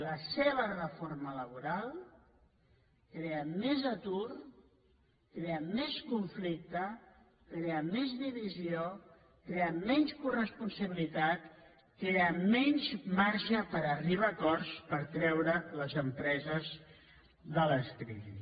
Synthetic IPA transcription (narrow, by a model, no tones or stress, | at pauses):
ləseβ̞ərəfoɾmələβ̞uɾalˠ | kɾeəmɛzət̪ur | kɾeəmɛskuɱflik̚t̪ə | kɾeəmɛzðiβizio | kɾeəmɛnskurəspunsəβilit̪at̪ | kɾeəmɛɲzmaɾʒəpəɾəriβ̞akɔrspəɾt̪ɾɛwɾələzəmpɾɛzəz | ðələst̪ɾḭ